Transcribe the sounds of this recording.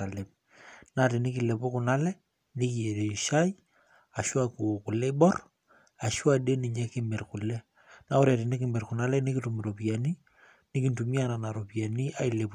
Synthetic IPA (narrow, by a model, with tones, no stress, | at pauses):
a˨le˨p̚ | natɪ˨nɪ˦ki˨le˨pʊ˦kʊ˨na˦lɛ˦ | nɪ˦ki˨e˨ɾe˨ʃa˦j | a˨ʃwa˦ku˨o˨kʊ˨lːɛ˦i˦bɔ˦r | a˨ʃwa˦˨de˦ni˨ɲɛ˦kɪ˦mɛ˨rkʊ˨lɛ˦ | na˦ʊ˦ɾɛ˨ɾɪ˨nɪ˦kɪ˨mbɛ˨rkʊ˨na˦lɛ˦nɪ˦ki˦tu˨mi˨ɾo˨pi˨a˨ni˦ | nɪ˦ki˦ntu˨mi˦a˦na˨na˨ɾo˨pi˨a˨ni˦a˦ɪ˦le˨p